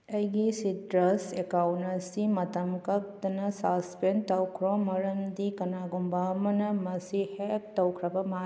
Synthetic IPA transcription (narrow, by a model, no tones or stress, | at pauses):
ɐjɡisidɾɐsekawntɐsimɐtɐmkɐk̚d̪ɐnɐsaspentɐwkʰɾomɐɾɐndikɐnaɡumbamɐnɐmɐsihek̚tːɐwkʰɾɐbɐma